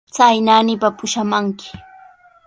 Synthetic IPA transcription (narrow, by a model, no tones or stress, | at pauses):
t͡sajnaːnɪpapʊʃamaŋkɪ̥